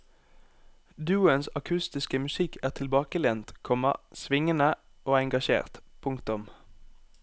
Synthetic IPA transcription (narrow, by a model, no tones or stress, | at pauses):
d̪ʉːənsɑkʰʉst̪ɪskəmʉsɪkʰæːʁt̪ʰɪlbɑːkəlɛnt̪kʰɔmɑ̰sʋɪŋənə | ʔoːɛŋɡɑʃḛːʁt̪pʰʊŋkt̪ʊm